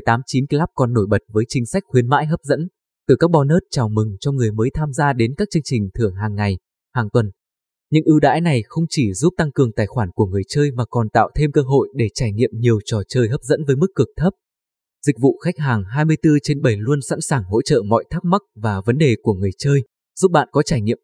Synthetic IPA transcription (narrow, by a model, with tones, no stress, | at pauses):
jt̪aː˨˦mt͡ɕi˨˦nklaː˦˥p̚kɔ˨˩nːo˧˩jɓə˨˩t̚vəː˨˦jt͡ɕï˨˦ŋ̟sa˦˥k̚xwi˨˦ənma̰ː˧˥jɦə˦˥p̚zə̰˧˥n | t̪ɨ˨˩kaː˦˥k̚ɓɔ˨˧˦nəː˦˥t̚t͡ɕaː˨˩wmɨ˨˩ŋt͡ɕɔ˧ŋɨ˨˩əjməː˨˦jt̪ʰaː˧mzaː˧ɗe˨˦nkaː˦˥k̚t͡ɕɨ˧əŋt͡ɕï˨˩ŋ̟t̪ʰɨ˧˩əŋɦaː˨˩ŋːa˨˩j | haː˨˩ŋt̪wə˨˩n | ɲɨ̰˧˥ŋʔɨ˧ɗa̰ː˧˥jna˨˩jxə˧wŋ͡mt͡ɕi˧˩zu˦˥p̚t̪a˧ŋkɨ˨˩əŋt̪aː˨˩jxwaː˧˩nku˧˩əŋɨ˨˩əjt͡ɕəː˧jvaː˨˩kɔ˨˩nt̪a̰ː˧˨wt̪ʰe˧mkəː˧ɦo̰˧˨jɗe˧˩t͡ɕaː˧˩jŋḭ˧˨əmɲi˨˩əwt͡ɕɔ˨˩t͡ɕəː˧jɦəː˦˥p̚zə̰˧˥nvəː˨˦jmɨ˦˥kːɨ˨˩ək̚t̪ʰə˦˥p̚ | zï˨˩k̚vṵ˧˨xa˦˥jk̚ɦaː˨˩ŋɦaː˧jmɨ˧əjt̪ɨ˧t͡ɕe˧nɓə˧˩jlu˧ənsa̰˧˥nsaː˨˩ŋɦo̰˧˥t͡ɕə̰ː˧˨mɔ̰˧˨jt̪ʰaː˦˥p̚ma˦˥k̚vaː˨˩və˨˦nɗe˨˩ku˧˩əŋɨ˨˩əjt͡ɕəː˧j | zu˦˥p̚ɓa̰ː˧˨nkɔ˨˦t͡ɕaː˧˩jŋḭ˧˨əm